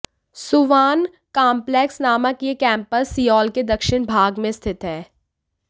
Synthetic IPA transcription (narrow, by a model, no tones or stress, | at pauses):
sʊʋaːn | kãːmplɛksnaːməkjekɛ̃ːmpəɾsːiːɔːlked̪ɐkʃɪñbʱaːɡmẽst̪ʰɪt̪ɦɛː